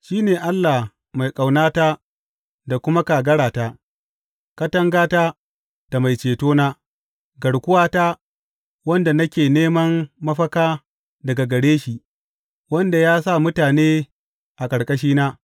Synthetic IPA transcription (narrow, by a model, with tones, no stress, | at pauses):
ʃiː˦neː˨ʔa˦lːa˨h | ma˨jkʼa˨wnaː˦ta˦ | da˨kʷʊ˦ma˦ka˨ɡɐ˦ɽaː˨ta˦ | kɐ˦tɐ˦ŋɡaː˦taː˦ | d̥a˨ma˨jt͡ʃeː˨toː˦naː˦ | ɡɐ˨ɽkʷʊ˦waː˦ta˦ | wɐ˦nda˨nɐ˦kʲeː˨neː˦mɐ˦mːɐ˦ɸɐ˦kaː˦ | dɐ˨ɡa˨ɡɐ˨ɽeː˦ʃi˦˨ʔ | wɐ˦nda˨jaː˦sa˦˨mʊ˦taː˨neː˦ | ʔa˨kʼɐ˨ɽkʼɐ˦ʃ̬iː˦naː˦